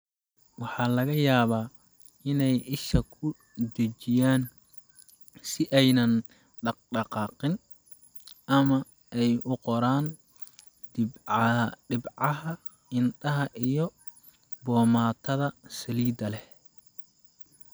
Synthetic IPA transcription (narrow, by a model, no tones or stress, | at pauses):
wɑħɑːlɐɣɐjaːβaː | ɪnɛjɪʃɐkʰʊ | d̪ɐt͡ʃɪjaːn | sɪʔɛjnɐn | ɖɑɖɑqɑːqɪn | ʔɐmɐ | ʔɛjʊqɔɾaːn | dɪbɖɪbʕɑɦɐ | ɪndɐɦɐʔijɞ | bɔːmaːt̪ʰɐðɐsɐliːd̪ɐlɛ